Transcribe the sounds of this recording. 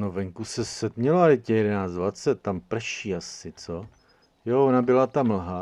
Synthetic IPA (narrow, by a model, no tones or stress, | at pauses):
novɛŋkusɛsɛt̪mɲɛloajɛcɛjɛdɛnaːt͡sd̪vat͡sɛt̪̚ːampr̩ʃiːasɪt͡so | joonabɪlat̪aml̩ɦa